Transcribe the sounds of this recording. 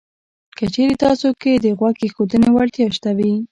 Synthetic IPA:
kət͡ʃeɾet̪ɑsoked̪əɣwakexod̪ənewaɾt̪jɑʃt̪awi

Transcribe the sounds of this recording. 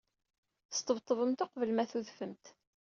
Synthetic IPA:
θə̥st̪ˤːəvt̪ˤːəvəmt̪oqvəlmæθuðfəmt̪

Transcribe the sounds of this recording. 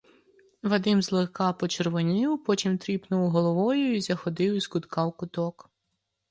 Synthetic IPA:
ʋɐd̪ɪmzlˠekɑpɔt͡ʃerʋɔnʲiwpɔt̪ʲimt̪ɾʲipnʊwɦɔlˠɔʋɔjʊizɐxɔd̪ɪwiskʊt̪kɑwkʊt̪ɔk

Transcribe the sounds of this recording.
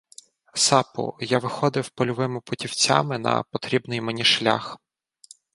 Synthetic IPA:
sɑpʊ̰jaʋɪxɔd̪ɪwpɔlʲɔʋɪmɪpʊtʲiwt͡sʲa̰mɪnɐ̰pɔt̪ɾʲibnɪjmenʲiʃlʲa̰x

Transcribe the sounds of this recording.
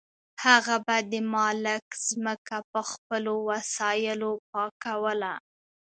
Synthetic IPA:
haɣabad̪əmɑlɪkz̥məkapəxpəlowasɑjɪlop̚ɑkawəla

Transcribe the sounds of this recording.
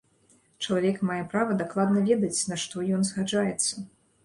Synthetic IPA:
t͡ʂɐlˠavʲɛkmajɛpɾavɐd̪aklˠad̪nɐvʲɛd̪ɐt͡sʲnaʂt̪ɔjɔnzɣad͡ʐajɛt̪sːɐ

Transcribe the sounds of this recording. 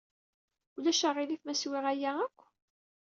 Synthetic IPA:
ulæʃəʁɪliθmæswɪʁæjæækʷː

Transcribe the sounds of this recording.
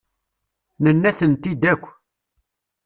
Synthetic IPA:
nənːæθənt̪id̪ækʷː

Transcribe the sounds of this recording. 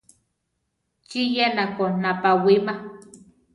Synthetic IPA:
t͡ʃijenakonapawima

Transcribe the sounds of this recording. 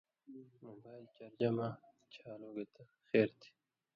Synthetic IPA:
mobaːjlt͡ɕɐɾd͡ʑɐma | t͡ɕʰaːloːɡet̪a | xeːɾt̪ʰi̥

